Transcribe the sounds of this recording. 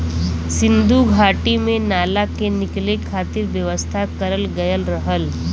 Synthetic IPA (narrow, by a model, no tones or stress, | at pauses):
sɪ̃nd̪uɡʱaːʈimẽnaːlakenɪklekʰaːt̪ɪɾʋjəʋəst̪ʰakɐɾəlɡɐjəlɾɐɦəl